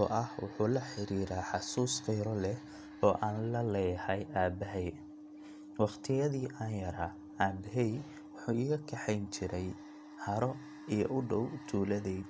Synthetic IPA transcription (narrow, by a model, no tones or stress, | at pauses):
ɔ̰ʔɐhwʊ̰ħuːlɐħɪɾiːɾaːħɑsuːsqɛjɾɔlɛh | ɔːʔaːnlɐlɛjhɐjʔaːbɐɦɛj | wɑχt̪ʰɪjɐðiːʔaːnjɐɾa | aːbɪɦɛj | wʊħuːɪːɣɐkʰɐħɛjnt͡ʃʰɪɾɛj | hɐɾɔ | ijɔ̰ʔʊɖɔwt̪ʰuːlɐðɛ